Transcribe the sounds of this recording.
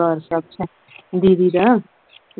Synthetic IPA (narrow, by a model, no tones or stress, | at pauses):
ʌɾsʌk̚t͡ʃʰe | d̪id̪iɾʌ